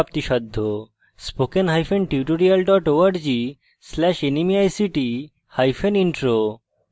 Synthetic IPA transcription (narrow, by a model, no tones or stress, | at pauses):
p̚t̪iʃɔd̪ʱːo | spokenɦajfʰenʈiuʈoɾialɖɔʈoaɾd͡ʑi | slɛʃenimiajsiʈi | hajfʰeniɳʈɾo